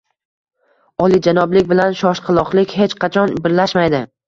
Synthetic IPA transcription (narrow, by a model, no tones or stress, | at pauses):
ɒlˠid͡ʒanɒblɪkʲbɪlanʃɒʃqʰɨlˠɒqlˠɪkʲhet͡ʃqʰɑt͡ʃʰɒnbɪɾlaʃmajd̪ɪ